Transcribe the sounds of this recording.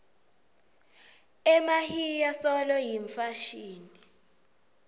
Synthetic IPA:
ɛmahijasɔlɔjiɱfaʃiːni

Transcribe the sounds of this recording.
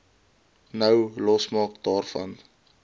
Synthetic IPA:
nəwlɔsmɑːkdɑːrfɐ̰n

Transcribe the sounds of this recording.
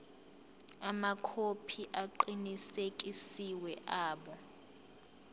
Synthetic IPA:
amakʰopʰiʔaǃinisek̬ʼisiwɛʔaːɓɔ

